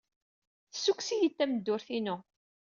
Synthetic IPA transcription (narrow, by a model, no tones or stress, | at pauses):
θə̥sːuksijət̪ːæməd̪ːʊɾθinʊ